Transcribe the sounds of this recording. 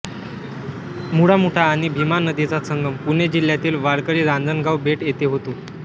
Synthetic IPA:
muɽamuʈʰaːɽ̃ibʱimanəd̪it͡sasəŋɡəmpuned͡ʑil̤jat̪iːlʋaɭkəɭiːɾãnd͡zənɡawbeʈjet̪eɦot̪o

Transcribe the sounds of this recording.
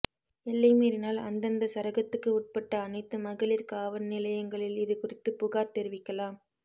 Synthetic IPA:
ɛlːɐɪmeːɾɪnaːlɐ̰nd̪ɐnd̪ɐsɐɾɐɣɐt̪ːɯkːɯʊʈ̚pɐʈːɐːnɐɪt̪ːɯmɐɣɐɭɪɾkaːʋɐnnɪlɐjɐŋɡɐɭɪlɪðɯkʊrɪt̪ːɯpʊɣaːɾt̪ɛɾɪʋɪkːɐlaːm

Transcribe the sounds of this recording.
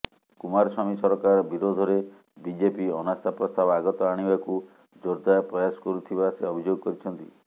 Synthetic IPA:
kumaɾɔsamisɔɾɔkaɾbiɾod̪ʱɔɾe | bid͡ʒepiɔnast̪ʰapɾɔst̪abɔaɡɔt̪ɔaɽ̃ibaku | d͡ʒɔɾd̪apɾɔjasɔ̥kɔɾut̪ʰibaseɔbʱid͡ʒoɡɔkɔɾit͡ʃʰɔnt̪ḭ

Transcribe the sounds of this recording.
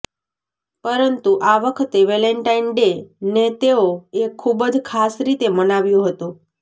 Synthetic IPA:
pəɾənt̪uʔaʋəkʰət̪eʋɛleɳʈainɖenet̪eoekʰːubəd͡ʒkʰasɾit̪emənaʋjoɦət̪o

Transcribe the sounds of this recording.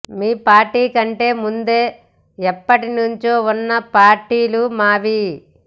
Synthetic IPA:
miːpaːɾʈiːkɐɳʈe̞ːmund̪e̞ː | ɛpːɐʈinuɲt͡ʃoːunːɐpaːɾʈiːlumaːʋi

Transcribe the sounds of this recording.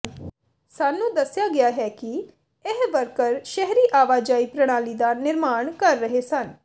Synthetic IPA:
saːnːũːd̪əsːjaːɡɪjaːɦɛːki | eɦʋəɾkəɾʃɛɦɾiːʔaːʋaːd͡ʒaːiːpɾəɽ̃aːliːd̪aːnɪɾmaːɳ̃kəɾːəɦesən

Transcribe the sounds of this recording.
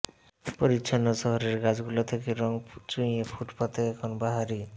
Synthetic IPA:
poɾitːʃʰanːoʃɔɦoɾeɾɡad͡ʑɡulot̪ʰekeɾɔŋt͡ɕũepʰuʈpat̪eɛkʰonbaɦaɾi

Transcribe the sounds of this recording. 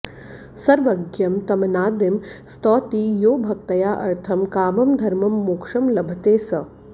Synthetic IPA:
sɐɾʋɐɡjɐmt̪ɐmɐnaːd̪emst̪ɔːt̪iːjoːbʱɐkt̪ɐjaːʔɐ̰ɾt̪ʰɐmkaːmɐmd̪ʱɐɾmɐmːukʂɐmlɐbʱɐt̪eːsɐ

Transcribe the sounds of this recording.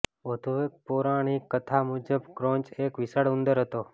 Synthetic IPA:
ʋəd̪ʱuek̚poɾaɽ̃ikət̪ʰamud͡ʒəbkɾõnt͡ʃekʋisaɽund̪əɾɦət̪o

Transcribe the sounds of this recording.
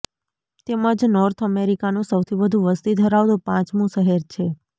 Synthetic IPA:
t̪eməd͡ʒnɔɾt̪ʰəmeɾikanũsəwt̪ʰibəd̪ʱũʋəst̪id̪ʱəɾaʋd̪opãt͡ʃmũʃəɦeɾt͡ʃʰe

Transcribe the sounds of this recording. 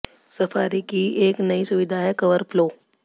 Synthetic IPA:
sɐfaːɾikieːknɐisʊʋɪd̪ʱaɦɛkɐʋəɾfloː

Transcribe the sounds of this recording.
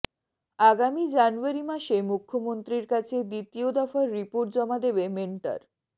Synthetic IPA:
aɡamid͡ʑanuaɾimaʃemukʰːomont̪ɾiɾkat͡ɕʰed̪it̪iod̪afaeɾːipoɾʈ̚d͡ʑɔmad̪ebemeɳʈa̰ɾ

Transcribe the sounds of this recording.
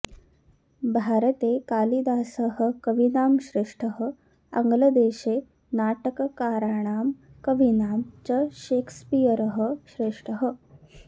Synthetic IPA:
bʱaːɾɐt̪eːkaːlid̪aːsəɦə̆kɐʋinaːmʃɾeʂʈʰəɦə̆ | ɐ̰ŋɡlɐd̪eːʃeː | naːʈəkɐkaːɾaːɳ̃aːmkɐʋinaːmt͡ʃɐʃeːkʰspijɐɾəɦə̆ʃɾeːʂʈəɦə

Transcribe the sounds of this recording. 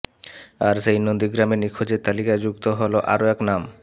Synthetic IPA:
aɾʃejnond̪iɡɾamenikʰod͡ʑeɾt̪alikad͡ʑukt̪oɦoloʔa̰ɾoɛknam

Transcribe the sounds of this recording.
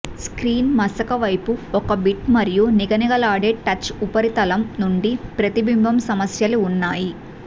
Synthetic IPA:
skɾiːnmɐsɐkɐʋɐjpuɔkɐbiʈmɐɾijuniɡɐniɡɐlaːɖeːʈɐt͡ʃːupɐɾit̪ɐlɐmnuɳɖipɾɐt̪ibimbʱɐmsɐmɐsjɐluːnːaːji

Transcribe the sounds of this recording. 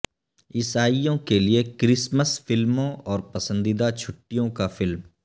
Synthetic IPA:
ɪsaːijõkeliekɾɪsməsfɪlmõʔɔːɾpɐsə̃nd̪ɪd̪at͡ʃʰʊʈːijõkafɪlm

